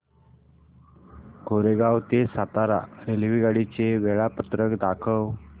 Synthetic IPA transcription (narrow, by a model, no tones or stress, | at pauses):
koɾeɡawt̪esat̪aɾa̰ɾelʋiɡaɽit͡seʋɛɭapət̪ɾəkd̪akʰəw